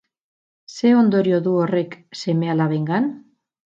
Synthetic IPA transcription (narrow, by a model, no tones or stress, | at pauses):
se̞ond̪o̞ɾio̞ðuore̞kse̞me̞alaβeŋɡan